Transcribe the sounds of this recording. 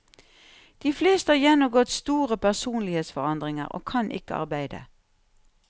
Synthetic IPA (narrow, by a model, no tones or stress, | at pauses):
d̪̥iːfleːst̪əhɑːjɛnʊɡɔt̪st̪uːʁəpʰæʁsuːnlɪheːt̪sfɔʁɑnd̪ʁɪŋə̰ʁo̰ːkʰɑnʔɪ̰kəʔɑ̰ʁbæɪd̪ə̰